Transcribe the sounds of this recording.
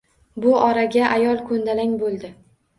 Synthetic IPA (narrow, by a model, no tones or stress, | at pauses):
bʊɒɾaɡʲaʔajɒlˠkʰɵnd̪alaŋʲbolˠd̪ɪ